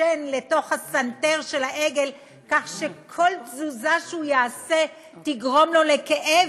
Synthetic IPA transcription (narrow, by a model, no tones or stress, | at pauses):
enleto̞χhasanteʁʃe̞laʔeɡe̞l | kaχʃekʰo̞lzuzaʃeujaːse | tiɡʁo̞mlo̞lekeʔe